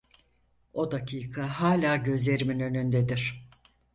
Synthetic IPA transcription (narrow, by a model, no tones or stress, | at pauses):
o̞d̪acʰiːkʰaɦaːlʲaːɟø̞zlʲe̞ɾiminø̞nynd̪ed̪iɾ̥